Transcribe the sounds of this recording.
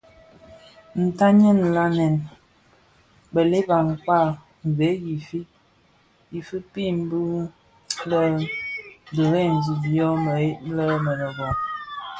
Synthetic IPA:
n̩˨ta˦ɲɛ˦˨n˨la˦nɛ˨n | bə˨le˦ba˨ŋ̩˨kwa˦˨ | m˨ve˨˦ji˨fi˦ | ji˨fi˦pi˦˨m̩˦bu˦ | lə˦ | də˨ɾe˦˨n̩˨zi˨bjɔ˦mə˨e˦tlə˦mə˨nə˨ɡɔ˨

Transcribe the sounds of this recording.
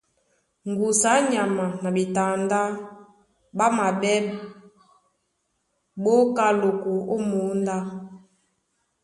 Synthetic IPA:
ŋ˨ɡu˨sa˨˦ɲa˨ma˨na˨bi˨ta˨nda˦ | ɓa˦ma˨ɓɛ˦ | ɓo˦ka˦lo˨ko˨o˦mo˨˦nda˦

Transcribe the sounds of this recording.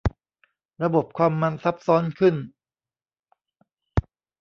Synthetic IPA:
ɾa˧bo˨˩p̚kʰwaː˧mːa˧nsa˦˥p̚sɔː˦˥nkʰɯ˥˩n

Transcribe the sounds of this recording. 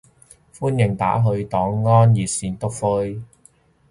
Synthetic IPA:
fuː˥njɪ˨˩ŋt̪a̰ː˨˥ɦɵ˧ɥt̪ɔː˨˥ŋːɔː˥njiː˨˩t̚siː˨˧nt̪ʊ˥k̚fʊ˥j

